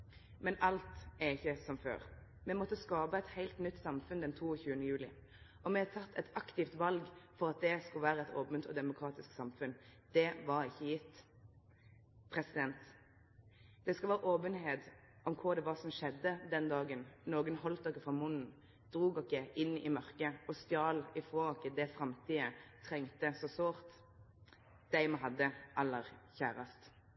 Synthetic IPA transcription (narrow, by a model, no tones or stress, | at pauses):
mɛnʔɑlt̪æɾɪçːəsɔmfø̰ːʁ | mɛmɔt̪ːəskɑːbəɛt̪hæɪlt̪nʏt̪ːsɑmfʉnd̪ɛnt̪ʰuːɔçʉːənəjʉːlɪ̰ | ɔmɛt̪ʰɑt̪ʰːɛt̪ɑkt̪ɪft̪ʋɑlɡfɔɾɑt̪̚d̪ɛskʉlʋæːɾəɛt̪ʰoːbənt̪ʰɔ̰d̪ɛmʊkʰɾɑːt̪ɪsksɑmfʉnd̪̥ɛʋɑɾɪçːəjɪt̪ː | pʰɾɛsɪd̪ɛnt̪ | d̪ɛskɑʋæːɾəʔoːbənɦeːt̪ | ɔmkʰʊʁd̪ɛʋɑːsɔmʃɛd̪ːəd̪ɛnd̪ɑːɡənnoːɡənhɔlt̪ɔkːəfʁɑmʊnn̩ | d̪̥ʁuːɡɔkːəʔɪnːɪmœʁkəɔst̪jɑːlɪfʁoːɔkːəd̪ɛfɾɑmt̪ʰiːət̪ʰɾɛŋt̪əsɔsoːʁt̪ | d̪̥æɪməɦɑd̪ːəʔɑlːəʁçæːɾɑst̪